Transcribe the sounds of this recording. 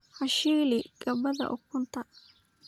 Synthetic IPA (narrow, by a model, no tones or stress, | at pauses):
ħɐʃiːlɪɡ̥ɐβɐðɐ̰ʔʊkʰʊnt̪ʰɐ